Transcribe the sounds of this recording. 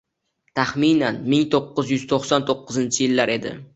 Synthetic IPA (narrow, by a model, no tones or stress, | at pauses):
t̪ʰaχminanmɪŋt̪ʰoqːɨzjʏz̥t̪ʰoχsant̪ʰoqːɨzɪnt͡ʃʰɪjɪlːaɾʔe̞d̪ɪ̰